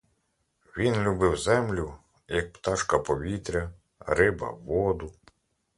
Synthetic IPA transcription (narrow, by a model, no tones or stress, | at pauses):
ʋʲinlʲubɪwzɛmlʲʊ | jɐk̚pt̪ɑʃkɐpɔʋʲit̪ɾʲɐ | ɾɪbɐ̰ʋɔd̪ʊ